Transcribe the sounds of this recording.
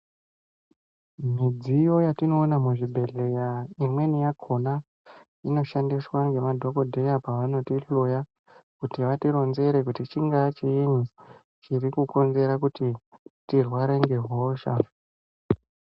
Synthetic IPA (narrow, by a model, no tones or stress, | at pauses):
mid͡zijo̞jatino̞ːnamuʐibʱe̞ɮe̞jaimwe̞nijakʰo̞na | ino̞ʃandiswaŋɡe̞madʱo̞ko̞dʱe̞japaʋano̞tiɬoja | kutiʋatiɾo̞nze̞ɾe̞kutit͡ʃiŋɡat͡ʃiiɲi | t͡ʃirikuko̞nze̞ɾakutitirwaɾe̞ŋɡe̞ɦoːʃa